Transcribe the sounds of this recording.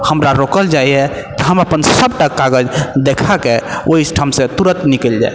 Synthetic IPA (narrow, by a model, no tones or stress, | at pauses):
həmɾaɾokəld͡ʒaiɛ | t̪ɔɦəməpənsəb̚ʈakaɡəd͡ʒd̪ekʰakeoɦisʈʰəmsẽt̪uɾət̪nikəld͡ʒa̰j